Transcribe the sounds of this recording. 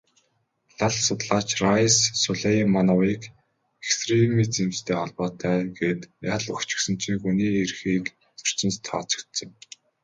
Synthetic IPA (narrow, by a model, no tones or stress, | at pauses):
ɮaɮsʊt̪ɮaːt͡ɕrajsːʊɮejmanɔwiːk | ekst̪ʰremiːt͡simst̪ʰeːχɔɮpɔːt̪ʰæːɡet̪jaːɮɵxt͡ɕɪ̥̆xsɵ̆n̥t͡ɕʰĭŋxuniːerxiːk | t͡sɵ̥r̥t͡sɪ̆nst̪ʰɔ̰ːt͡sɞ̥̆kt̪sə̆ŋ